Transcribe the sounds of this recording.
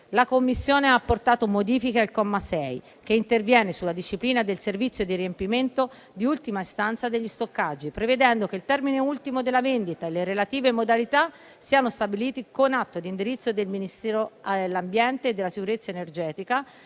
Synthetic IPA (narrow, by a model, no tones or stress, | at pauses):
lakomːisːjoːneapːort̪aːt̪omod̪iːfikealkɔmːasɛj | k̟eint̪ervjɛːnesulːad̪iʃːipliːnad̪elservit̪sjod̪iɾiempiment̪o | d̪iult̪imaist̪ant̪sad̪eʎːist̪okːad͡ʒːipɾeved̪ɛnd̪okeilt̪ɛrmineult̪imod̪elːavend̪it̪aeleɾelat̪iːvemod̪alit̪a | siːanost̪abiliːt̪ikonat̪ːod̪ind̪iɾit̪sːod̪elminist̪ɛːɾoalːambjɛnt̪eːd̪ːelasikuɾet̪sːaenerd͡ʒɛːt̪ika